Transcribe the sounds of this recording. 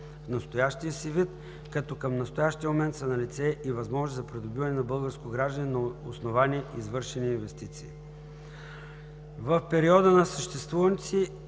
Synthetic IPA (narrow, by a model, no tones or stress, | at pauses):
fnɐst̪ojaʃt̪iəsivit̪ | kɐt̪ɔkɐmnɐst̪ojaʃt̪iəmomɛnt̪sɐnɐlit̪sɛʔivɐzmɔʒnozzɐpɾid̪ʊbivɐnɛnɐbɤlˠɡəɾskoɡɾaʒd̪ənʲɛnɐosnovanʲiʔizvɤɾʃɛniːnvɛst̪it̪siː | vəfpɛɾiɔd̪ənɐsəʃt̪ɛst̪vuvənt̪si